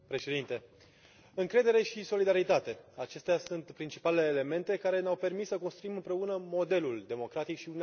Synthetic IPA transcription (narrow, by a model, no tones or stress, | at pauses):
pɾeʃed̪int̪e̞ | ɨŋkɾe̞d̪e̞ɾe̞ʃiso̞lid̪aɾit̪at̪e̞at͡ʃe̞st̪easunt̪pɾint͡ʃipaleleːle̞me̞nt̪e̞kaɾe̞neawpe̞rmisːəko̞nst̪ɾuimɨmpɾe̞unəmo̞d̪e̞luld̪e̞mo̞kɾat̪ikʃiun